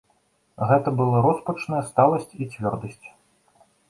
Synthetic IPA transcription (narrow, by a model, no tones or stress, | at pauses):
ɣɛt̪ɐbɨlˠaɾɔspɐt͡ʂnɐjɐst̪alˠɐsʲt͡sʲit͡sʲvʲɔrd̪ɐsʲt͡sʲ